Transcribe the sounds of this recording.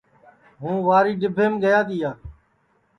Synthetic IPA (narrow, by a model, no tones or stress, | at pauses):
ɦũːʋaːɾiːɖɪbʱeːmɡəjaːt̪iːaː